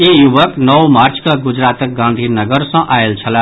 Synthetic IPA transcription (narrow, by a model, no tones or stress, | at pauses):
ejubəknʌwmaɾt͡skaɡud͡ʒɾat̪ək̚ɡãnd̪ʱinəɡəɾsʌ̃ʔaelt͡sʰəla